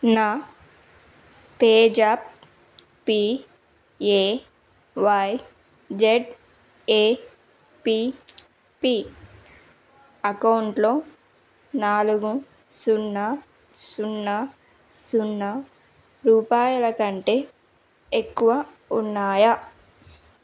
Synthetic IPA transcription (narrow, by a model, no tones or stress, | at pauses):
na | peːd͡ʒaːp̚ | pːi | eː | ʋaj | d͡ʒeʈ | eː | pi | pi | ɐkɐwuɳʈlo̞ː | naːluɡu | sunːa | sunːɐ | sunːɐ | ɾuːpaːjɐlɐkɐɳʈeː | ekːuʋɐ | unːaːjɐ